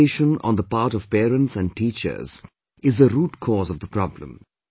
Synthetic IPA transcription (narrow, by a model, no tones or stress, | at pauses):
eːʃə̃nɔ̰̃nd̪əpaːɾʈɔv̥pɛːɾə̃nʈsæ̃nɳɖ̚ʈiːt͡ʃə̰˞z | ɪzd̪əɾuːʈkʰɔːzɔvd̪əpɾɔblə̰̃m